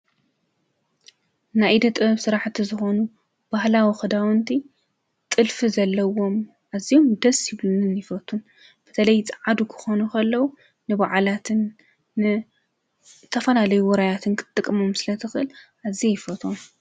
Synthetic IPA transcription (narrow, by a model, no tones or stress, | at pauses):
najd̪ɐt̪ʼɨβsɨɾaħt̪ʰizɨxo̞nu | b̥ahlawixɨd̪awɐnt̪ʰi | t̪ʼɨlfizɐlːɐwo̞m | ʔaziomd̪ɐsjɪβlunɨnjɪfɐt̪ʰun | b̥ɨ̥t̪ʰɐlɐjt͡sʼʕad̪ukʰɨ̥xo̞nukʰɐlːɐwu | nɨβaʕalat̪ʰɨnː | ɨ | t̪ʰɐfɐlalɐjuwɔɾajat̪ʰɨnkʰɨ̥t̪ʼːɨkʼːɨmomsɨlɐt̪ʰɨxʔɨlʔazijɪfɐt̪ʰʼom